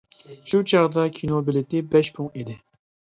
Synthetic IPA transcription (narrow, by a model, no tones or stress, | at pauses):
ʃut͡ʃʰɑʁd̪ɑkʲʰinobɪlɪt̪ɪbɛʃpʰuŋid̪ɪ